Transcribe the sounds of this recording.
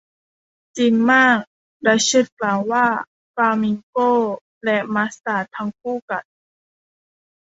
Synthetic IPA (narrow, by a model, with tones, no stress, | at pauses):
t͡ɕi˨˩ŋmaː˥˩k̚ | da˧˩jsɯ˧˩t̪̚klaː˨˩wwaː˧˥˩ | faː˧mi˧˩ŋkoː˥˩ | lɛ˧ʔma˧˥saː˧˩t̪ʰa˧ŋk̚ʰuː˥˩˨ka˨˩n̚